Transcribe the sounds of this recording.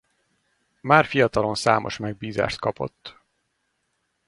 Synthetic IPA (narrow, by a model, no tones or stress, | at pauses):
maːrfijɒt̪ɒlo̞nsa̰ːmo̞ʃmɛɡ̚biːza̰ːʃt̪kɒpo̞̰t̪ː